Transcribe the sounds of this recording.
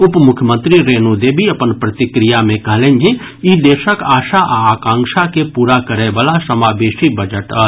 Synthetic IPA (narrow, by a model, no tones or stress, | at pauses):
ʊpmʊkʰjəmə̃nt̪ɾiɾeːnod̪eːbʱiɐpənpɾət̪ɪkɾijamẽkəɦlẽːnd͡ʒe | id̪eːʃəkaːʃaʔaːkãːŋʃakepuːɾakəɾeʋaːlasəmaːbeːʃibəd͡ʒəʈə